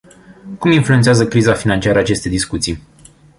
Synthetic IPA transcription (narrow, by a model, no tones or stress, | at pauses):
kuminfluet̪seazəkɾizafinantt͡ʃiaɾəat͡ʃe̞st̪e̞d̪iskut̪si